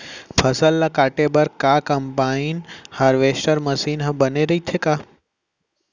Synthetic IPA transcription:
pʰɐsəlːakaːʈebɐɾkaːkɐmpaːinhaːɾʋeːsʈəɾmɐsiːnɦɐ̃bɐneɾɐɦit̪ʰekaː

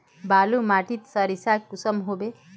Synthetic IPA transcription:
balumaʈit̪sʌɾisakkusəmɦobe

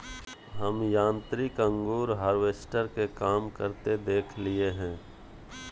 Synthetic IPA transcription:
ɦəmjãːnt̪ɾɪkə̃ŋɡuːɾɦaːɾʋeːsʈəɾkekaːmkəɾt̪ed̪eːkʰlɪeɦɛ̃ː

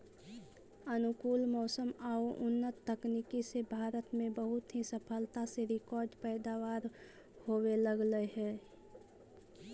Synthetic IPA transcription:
ənʊkuːlmɔːsəmaoʔʊnːət̪ːəknikisebʱaːɾət̪mẽbəɦʊt̪ɦisəpʰəlt̪aseɾɪkɔːɾɖpɛːd̪awaːɾ | hoːweləɡləɦɛː

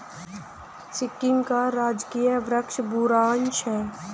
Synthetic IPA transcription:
sɪkːɪŋkaɾaːd͡ʒkiːjəʋɾəkʃbuɾaːnʃʰɛː

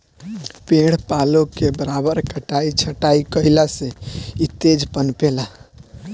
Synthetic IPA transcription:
peɽ̤palokebəɾabəɾkəʈait͡ʃʰəʈaikəilaseit̪ed͡ʒpənpela

